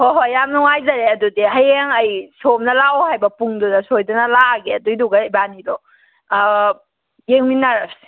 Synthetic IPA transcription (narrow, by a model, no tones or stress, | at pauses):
hoɦojamnuŋajzɐɾeɐdudiɦɐjeŋəjsomnɐlaohajbɐpuŋdunɐsojdɔnɐlaɡeɐdujduɡɐibanidɔ | jeŋminaɾap̚si̥